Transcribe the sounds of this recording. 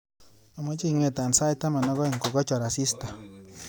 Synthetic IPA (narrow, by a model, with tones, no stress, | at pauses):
a˨mɔ˦t͡ʃi˦˨ŋwe˦˨t̪a˨nsa˦jt̪a˦ma˨nɔ˦ɣɔ˦i˨ŋko˨ɡɔ˦t͡ʃɔ˨ɾa˨si˦sta˨